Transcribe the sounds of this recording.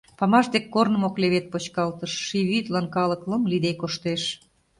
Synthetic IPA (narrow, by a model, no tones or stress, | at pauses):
pɑmɑʃd̪ekːornə̆mokleβet̪̚pot͡ɕkɑlt̪əʃːiβit̪lɑnkɑlə̆klɤmlid̪ekoʃt̪eʃ